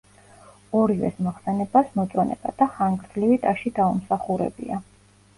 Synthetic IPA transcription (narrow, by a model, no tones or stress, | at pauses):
ɔɾivɛ̰smɔχsɛnɛbasmɔt̪sʼwanɛ̰ba̰d̪̥aχaŋɡɾd̪zlivit̪ʼaʃid̪aumsaχuɾɛ̰bḭa